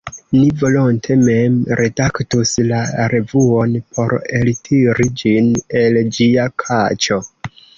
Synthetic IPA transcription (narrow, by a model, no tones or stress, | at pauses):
nivo̞lontʰe̞memɾʔe̞daktuslaɾe̞vuo̞npʰo̞ɾe̞ltʰiɾid͡ʒine̞ld͡ʒiakʰat͡ʃo̞